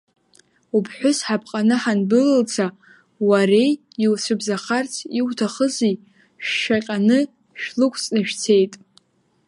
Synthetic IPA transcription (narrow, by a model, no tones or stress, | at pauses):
upʰħʷᶣʊsħapʰqʼanɨħanbɨlɨlt͡sʰa | warej | iwsʷʰɨbzaχart͡sʰiwtʰaχəzi | ʃᶣʃaqʲʼanɨ | ʃᶣlɨkʷʰʼt͡sʼnɨʃᶣt͡sʰe̞jtʼ